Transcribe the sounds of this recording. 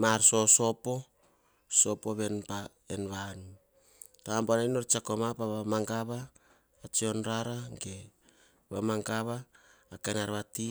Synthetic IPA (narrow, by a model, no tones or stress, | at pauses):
maɾso̞so̞po̞ | so̞po̞βe̞npa | enβanu | tambonajnoɾt͡ʃakomapaβamaŋɡaβaː | t͡ʃio̞nɾaɾaŋɡe | βamaŋkaβaː | kenaɾβati